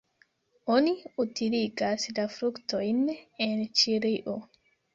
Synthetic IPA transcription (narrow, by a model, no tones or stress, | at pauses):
ʔoniutiliɡaslafɾuktojnent͡ʃiɾiʔo